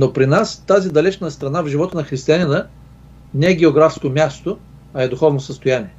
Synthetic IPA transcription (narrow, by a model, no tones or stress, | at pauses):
nopɾinast̪azid̪ɐlɛt͡ʃnəst̪ɾɐnavʒivɔt̪ənɐxɾist̪ianinə | nɛɛɡʲɛoɡɾafskomʲast̪o | ɐɛd̪ʊxɔvnosəst̪ojaniɛ